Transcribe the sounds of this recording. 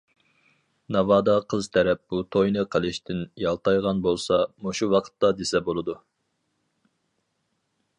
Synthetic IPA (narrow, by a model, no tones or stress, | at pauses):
nɑvɑːd̪ɑqʰəzt̪ʰɛɾɛp̚b̥ut̪ʰojnɨqʰəlˠɨʃt̪ʰɪnjɑlˠt̪ʰɑjʁɑnbolˠsɑmoʃuwɑqʰə̥t̪ːɑd̪esɛbolˠɨd̪u